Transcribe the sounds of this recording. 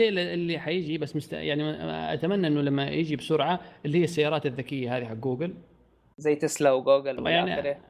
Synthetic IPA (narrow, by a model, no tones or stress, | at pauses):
eːʔɪlːiħajɪd͡ʒibasːmʊst̪a̰jaʕniʔa̰t̪amanːaʔɪnːʊlamːajɪd͡ʒibsʊɾʕaʔɪlːihɪjːasːajːɑːɾˤɑːt̪ɪðːakɪjːahaːðiɦaɡːuːɡɪl | zajːt̪ɪslawɡuːɡɪlmjaʕniɾi